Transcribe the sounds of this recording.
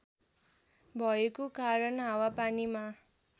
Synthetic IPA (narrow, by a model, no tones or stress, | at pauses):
bʱʌekokaɾʌnɦawapanima